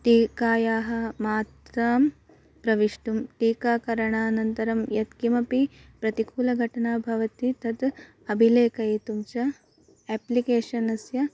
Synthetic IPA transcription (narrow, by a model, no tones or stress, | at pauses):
ʈiːkaːjaːɦɐ̆maːt̪ɾaːm | pɾɐʋiʂʈumʈiːkaːkɐɾɐɳaːnɐnt̪ɐɾɐmjɐt̪kimɐpipɾɐt̪ikuːlɐɡʱɐʈɐɳaːbʱɐʋɐt̪it̪ɐt̪ | ɐbʱileːkɐit̪umt͡ʃɐ | ɛːplikeːʂɐnɐsjɐ